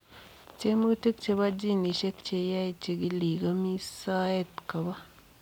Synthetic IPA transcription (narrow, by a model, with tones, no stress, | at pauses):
t͡ʃe˦mu˦ti˦kt͡ʃe˨˧ba˦d͡ʒi˦˨ni˨ʃe˦kt͡ʃe˨ja˦i˨t͡ʃe˨ɡi˦li˨ɡa˦mi˦sa˦e˦˨tka˨ba˦